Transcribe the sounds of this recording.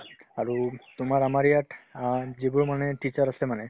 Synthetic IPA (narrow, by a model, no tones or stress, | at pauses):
aɹut̪ʊmaɹamaɹijaʈazibʊɹmanɛʈit͡ʃaɹasɛmanɛ